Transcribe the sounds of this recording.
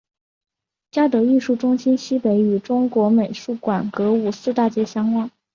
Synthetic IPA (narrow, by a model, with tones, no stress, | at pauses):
t͡ɕja˥t̪ɤ˧˥i˥˧ʂu˥˩ʈ͡ʂʊ˥ŋɕi˥nɕi˥pe˧˥ɪy˨˩ʈ͡ʂʊ˥ŋkwɔ˧˥me˨˩ɪʂu˥˩kwa˨˩nkɤ˧˥u˨˩sɹ̩˥˧t̪a˥˩t͡ɕjɛ˥˩ɕjɑ˥ŋkwɑ˥˩ŋ